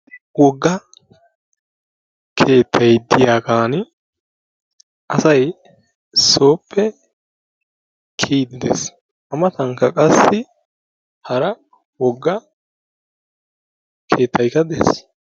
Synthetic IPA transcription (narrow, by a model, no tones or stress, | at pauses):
wɔɡːɐ | kʰe̞ːt̪ʰːɐjd̪ɪjaːɡaːnɪ | ʔɐsɐj | so̞ːpʰːɛ | kʰiːd̪ɪd̪ḛs | ʔɐmɐt̪ɐŋkːɐkʼɐsːɪ | hɐɾɐ | wɔɡːɐ | kʰe̞ːt̪ːɐjkːɐd̪ḛs